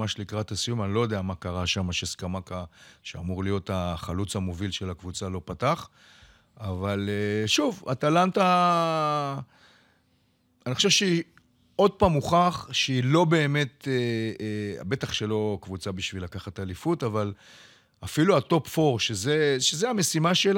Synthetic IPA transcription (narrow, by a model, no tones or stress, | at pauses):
aʃlikʁatasijumanilo̞jod̪eamakaʁaʃamaʃeskamakaʃeamuʁlijo̞taχalut͡samovilʃe̞lakvut͡salo̞pataχ | avaleʃuva̰t̪alanta | anixχoʃevʃei | o̞d̚paːmuχaχʃeilo̞be̞ːme̞t̪e | a̰be̞taχʃe̞lo̞kvut͡sabiʃvilakaχatalifutaval | afiluato̞pfo̞ʁʃezeʃezeame̞simaʃela